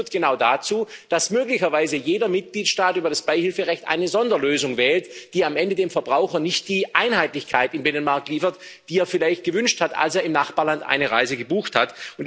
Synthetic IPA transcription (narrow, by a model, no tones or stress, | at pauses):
tɡ̥ənaʊdat͡suːd̥asmøːklɪçɐvaɪzəjeːdɐmɪt̚ɡ̥liːtʃtaːtʔyːbɐɾasb̥aɪhɪlfəʁɛçtʔa̰ɪnəzɔndɐløːzʊŋvɛːltd̥iːamʔɛndədeːmfɛɐbʁaʊxɐnɪçt̚d̥iːʔaɪnhaɪtlɪçkʰaɪtɪnbɪnənmaɐk̚liːfɐtd̥iːeːɐfɪlaɪçt̚ɡ̥əvʏnʃthata̰lseːɐɪmnaχb̥aːɐlandʔa̰ɪnəʁa̰ɪzəɡəbuːxthatʊnt